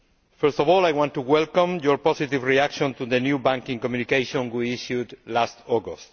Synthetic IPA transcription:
fɛɾst̪ɔvɔlajwãnt̪uwɛlkɔ̃mjɔɾpɔsit̪ivɹiakʃõnt̪uðənjubãŋkĩŋkɔmjunikejʃõnɡwiiʃjud̪last̪ɔɡost̪

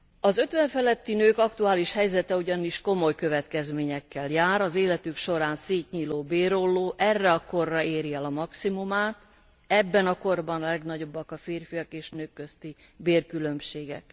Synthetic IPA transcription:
ɒzøt̪ʋɛɱfɛlɛt̪ːinøːkɒkt̪uaːliʃhɛjzɛt̪ɛuɟɒniʃko̞mo̞jkø̞vɛt̪kɛzmeːɲɛkːɛljaːɾɒzeːlɛt̪ykʃo̞ɾaːnseːt̪ɲiːloːbeːɾo̞lːoːʔɛrːɛɒko̞rːɒeːɾjɛlɒmɒksimumaːt̪ | ɛbːɛnɒko̞rbɒnɒlɛɡnɒɟo̞bːɒkɒfeːrfijɒkeːʃnøːkːøst̪ibeːrkylø̞mʃeːɡɛ̰k

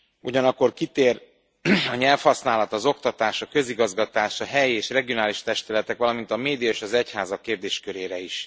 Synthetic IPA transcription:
uɟɒnɒkːo̞rkit̪eːr | ɒɲɛlfhɒsnaːlɒt̪ɒzo̞kt̪ɒt̪aːʃɒkø̞ziɡɒzɡɒt̪aːʃɒɦɛjieːʃrɛɡio̞naːliʃt̪ɛʃt̪ylɛt̪ɛkʋɒlɒmint̪ɒmeːd̪ijɒeːʃɒzɛchaːzɒkːeːrd̪eːʃkøɾeːɾɛiʃ

